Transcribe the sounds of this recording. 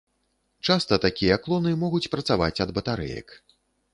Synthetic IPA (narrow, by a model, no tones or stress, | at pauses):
t͡ʂast̪ɐt̪akʲijɐklˠɔnɨmɔɣut͡sʲpɾɐt̪savat͡sʲɐd̪bɐt̪aɾɛ̰jɐ̰k